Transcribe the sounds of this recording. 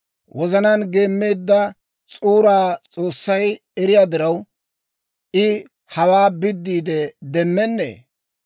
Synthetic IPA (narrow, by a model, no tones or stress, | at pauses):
wʔɔzɐnanɡe̞ːmːeːd̪ːɐ | t͡sʼuːɾaːt͡sʼo̞ːsːɐj | ɛɾɪjaːd̪ɪɾɐw | ʔɪ | hɐwaːbɪd̪ːiːd̪ɛd̪ɛmːɛnːḛː